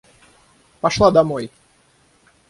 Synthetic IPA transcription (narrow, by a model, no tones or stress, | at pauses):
pɐʂlˠad̪ɐmoj